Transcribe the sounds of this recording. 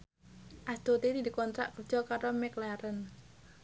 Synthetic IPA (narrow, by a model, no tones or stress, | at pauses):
ʔasd̪t̪ot̪ed̪id̪i̤kɔnt̪ɾaʔkərd̥d͡ʒ̥ɔ̤kaɾomɛklaɾən